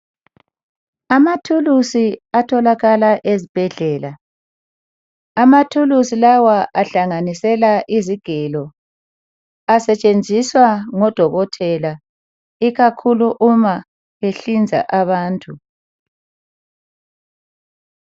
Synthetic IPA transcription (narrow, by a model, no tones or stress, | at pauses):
amatʰulusiatʰɔlaɣalaʔezib̥ʱɛɮɛːla | amatʰulusilawaʔaɬaŋanisɛlaʔiziɡ̥ʱɛlɔ | asɛt͡ʃʼend͡zʱiswaŋɔd̥ʱɔɣɔtʰɛla | iɣakʰuluʔuma | βeɬind͡zʱa̰ʔaβaːntʼu